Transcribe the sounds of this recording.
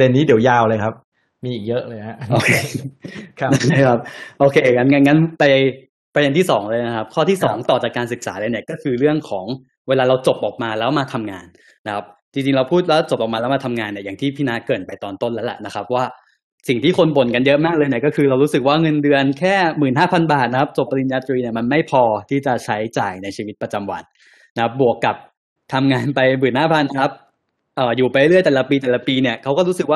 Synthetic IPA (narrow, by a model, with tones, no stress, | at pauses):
ade˧nːiː˦˥di˩˦wjaː˧˩wlɤː˧jkʰa˦˥p̚ | miː˧ʔiː˨˩k̚jɤ˦˥ʔlɤː˧jɦa˦˥ʔoː˧kʰeː˧˦ | na˦˥˩t͡ɕʰa˥˩kʰa˦˥p̚ʔoː˧kʰeː˧ŋa˦˥nŋa˦˥nŋa˦˥npa˧j | pɾa˧de˧nt̪i˥˩sɔ̰ː˩˦ŋlɤː˧jna˦˥kʰa˦˥p̚kʰɔː˥t̪ʰiː˥˩sɔː˩˦ŋt̪ɔː˨˩t͡ɕaː˨˩kːaː˧nsɯ˨˩k̚sa̰ː˩˦lɤː˧ni˥˩əkɔː˥˩kʰɯː˧ɾɯ˥˩əŋkʰɔː˩˦ŋ | weː˧laː˧ɾa˧wt͡ɕo˨˩p̚ʔɔː˨˩k̚maː˧lɛː˦˥wmaː˧t̪ʰa˧mŋa̰ː˧nː | a˦˥kʰa˦˥p̚t͡ɕi˧ŋt͡ɕi˧ŋɾa˧wpʰuː˥˩t̪̚lɛː˦˥wt͡ɕo˨˩p̚ʔɔː˨˩kmaː˧lɛː˦˥wmaː˧t̪ʰa˧mŋaː˧nːi˧˩ɐjaː˨˩ŋt̪ʰiː˥˩pʰiː˦˥naː˦˥kɤː˨˩n̚pa˧jt̪ɔː˧nt̪o˥˩nlɛ˦˥lɛ̰˨˩na˦˥kʰa˦˥p̚waː˥˩ | si˨˩ŋt̪ʰiː˥˩kʰo˧nbo˨˩nka˧njɤ˦˥ʔmaː˥˩k̚lɤː˧jni˥˩əkɔ˥˩kʰɯː˧ɾa˧wɾuː˦˥sɯ˨˩k̚waː˥˩ŋɤ˧ndɯ˧ənkʰɛː˥˩mɯː˨˩nɦaː˥˩pʰa˧nbaː˨˩t̪̚na˦˥kʰa˦˥p̚t͡ɕo˨˩p̚ːa˧li˨˧njaː˧t̪ɾiː˧ni˥˩ɐma˧nma˥˩jpʰɔː˧t̪ʰiː˥˩t͡ɕa˨˩t͡ɕʰa˦˥jt͡ɕaː˨˩jna˧jt͡ɕʰiː˧wi˦˥t̪̚pɾa˧t͡ɕa˧mwa̰˧nː | a˦kʰa˦˥p̚bu˨˩əkːa˨˩p̚ | t̪ʰa˧mŋaː˧npa˧jbɯː˨˩naː˥˩pʰa˧nːa˧˦kʰa˦˥p̚ | ʔɤː˨˩juː˨˩pa˧le˦lɯ˥˩əjt̪ɛː˨˩la˧˩piː˧t̪ɛː˨˩la˧˩piː˧ni˥˩ɐkʰa˦˥wkɔː˥˩ɾuː˦˥sɯ˨˩k̚waː˥˩